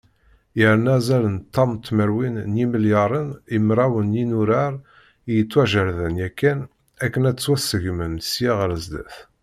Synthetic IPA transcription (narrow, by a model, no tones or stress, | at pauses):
jəɾnæzælənt̪ːɑmt̪ːməɾwinnjiməljɑɾˤənimɾˤæwənjinuɾaɾˤ | ijət͡sːwæʒəɾðənjækːæn | ækːənæt͡sːwæsːəʝmənsjiʁɾəzd̪æ̰θ